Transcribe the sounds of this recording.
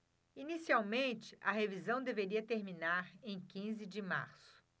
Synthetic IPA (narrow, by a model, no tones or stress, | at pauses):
inisiawmẽnt͡ʃɪʔɐɦevizɐ̃w̃d̪eveɾiɐt̪eɾmĩnaɾẽj̃kĩzɪd͡ʒɪma̰ɾsʊ̥